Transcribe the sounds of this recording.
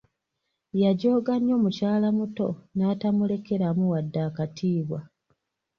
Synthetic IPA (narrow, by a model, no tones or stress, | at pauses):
jaɟo̞ːɡaɲːo̞ːmucaːlamuto̞naːtamule̞ke̞ɾamuwadːaːkatʰiːβwa